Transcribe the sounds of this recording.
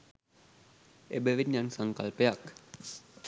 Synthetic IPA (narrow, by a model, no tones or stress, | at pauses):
ebəʋinjansaŋkalpejak